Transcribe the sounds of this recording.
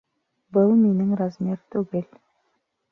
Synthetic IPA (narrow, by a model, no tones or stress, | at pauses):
bʊlˠme̞nɪŋrazmʲeɾt̪ʰɵɡel